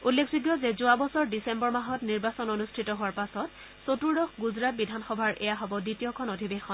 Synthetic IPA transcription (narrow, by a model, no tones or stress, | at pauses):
ulːekʰzuɡjɔzezʊabɔsɔɹdisembɔɹmaɦɔtniɹbasɔnonustʰitɔɦoaɹpasɔt | sotuɹdɔxɡuzɹat̚bidʱanxɔbʱaɹʔɛ̰jaɦɔbɔditijɔkʰɔnodʱibexɔn